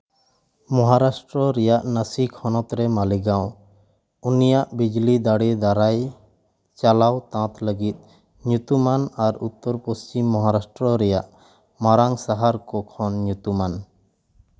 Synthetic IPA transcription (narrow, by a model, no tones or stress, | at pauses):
mɔɦaɾasʈɾɔɾɛjaʔnəsikʰɔnɔt̪ɾɛmaliɡaw̃ | unijaʔbid͡ʒlid̪aɽid̪aɾaj | t͡ʃalawt̪ãt̪ləɡit̪̚ˀ | ɲut̪umanaɾut̪ːɔɾpost͡ʃimːɔɦaɾasʈɾɔɾɛjaʔ | maɾaŋsaɦaɾkɔkʰɔnɲut̪uman